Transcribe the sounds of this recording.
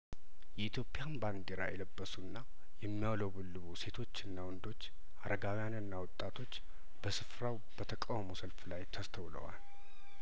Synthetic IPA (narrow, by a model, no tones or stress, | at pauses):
jɛit̪ʰjo̞pʼɪjanband̪eɾa̰jɛ̰ləbːəsunːa | jɛmːijawləwbɨlːɨβuse̞t̪ʰo̞t͡ʃːɨnːawɔnd̪o̞t͡ʃː | aɾəɡawjanɨnːawɔt̪ʼːat̪ʰo̞t͡ʃː | b̥əsɨfɾaw | b̥ət̪ʰəkʼawmosəlflajt̪ʰast̪ʰəwlə̰wa̰l